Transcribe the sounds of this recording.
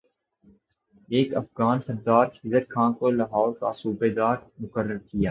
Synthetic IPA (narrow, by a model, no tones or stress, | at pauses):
eːkɐfɣaːnsɐɾd̪aːɾɪzəɾkʰãːkolɐɦaːɾkasuːbeːd̪aːɾmʊkəɾːəɾkijaː